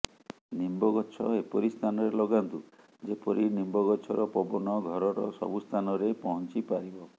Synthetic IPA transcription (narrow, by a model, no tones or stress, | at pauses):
nimbɔɡɔt͡ʃʰɔepɔɾist̪ʰanɔɾelɔɡant̪u | d͡ʒepɔɾinimbɔɡɔt͡ʃʰɔɾɔpɔbɔnɔɡʱɔɾɔɾɔ̰sɔ̰bust̪ʰanɔɾepɔɦɔnt͡ʃipaɾibɔ